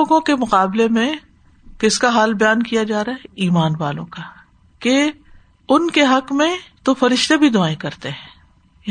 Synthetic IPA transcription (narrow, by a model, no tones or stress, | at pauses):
oːɡõkemʊqaːblemẽ | kɪskaɦaːlbɐjaːnkijad͡ʒaːɾaɦɛiːmaːnʋaːlõ̰ka | ke | ʊnkeɦɐqmẽt̪ofɐɾɪʃt̪ebʱid̪ʊaːẽkɐɾt̪eɦɛ̃ː